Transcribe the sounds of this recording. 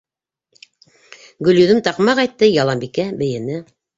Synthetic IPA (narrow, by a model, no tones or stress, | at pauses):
ɡɵ̆ljɵ̆ðɘmt̪ɑqmɑqɑjt̪ːɤjɑlˠɑmbikæbɘ̆jɘ̆nɘ